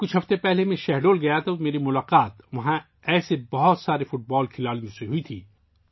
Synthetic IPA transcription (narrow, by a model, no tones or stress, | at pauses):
kʊt͡ʃʰɦɐft̪epɛɦlemẽʃɛɦɖoːlɡɐjat̪ʰomeːɾimʊlaːqaːt̪ʋɐɦã | ɛːsebɐɦɔt̪saːɾefʊʈ̚bɔːlkʰɪlaːlĩũseɦʊit̪ʰḭː